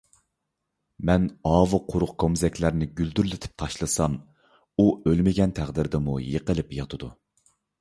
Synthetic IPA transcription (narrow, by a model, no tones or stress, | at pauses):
mɛnɑːvɨqʰʊɾʊqkʰomzɛkʲlæɾnɪɡʲyld̪yɾlɪt̪ʰɪ̥p̚t̪ʰɑʃlˠɨsɑm | uølmɪɡʲɛnt̪ʰæʁd̪ɪɾd̪ɪmujəqəlˠɪpjɑt̪ʰɨd̪u